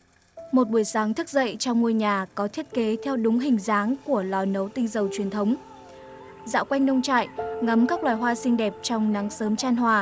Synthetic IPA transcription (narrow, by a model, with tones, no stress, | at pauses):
mo˨˩t̚ɓu˧˩əjsaː˨˦ŋt̪ʰɨ˦˥k̚zə̰˧˨jt͡ɕɔ˧wŋ͡mŋu˧əjɲaː˨˩kɔ˨˦t̪ʰi˦˥ət̚ke˨˦t̪ʰɛ˧wɗʊ˨˦ŋ͡mɦï˨˩ŋ̟zaː˨˦ŋku˧˩əlɔ˨˩nə˨˦wt̪ï˧ŋzə˨˩wt͡ɕwi˨˩ənt̪ʰə˨˦wŋ͡m | za̰ː˧˥wkwa˧jŋnə˧wŋ͡mt͡ɕa̰ː˧˨jʔŋə˨˦mkaː˦˥k̚lwaː˨˩jɦwaː˧sï˧ŋ̟ɗɛ˨˩p̚t͡ɕɔ˧wŋ͡mna˨˦ŋsəː˨˦mt͡ɕaː˧nɦwaː˨˩